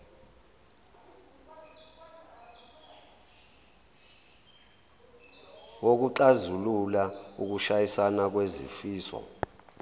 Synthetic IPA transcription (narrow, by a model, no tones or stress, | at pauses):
wok̬uǃazululaṵk̬uʃajisanak̬wezḭfiːsɔ̰